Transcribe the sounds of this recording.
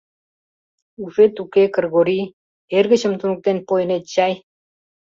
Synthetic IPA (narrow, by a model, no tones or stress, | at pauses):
ufet̪ukekə̆rɣoɾi | erɣə̆t͡ɕə̆mt̪unuk̚t̪enpojə̆net̪̚t͡ɕɑj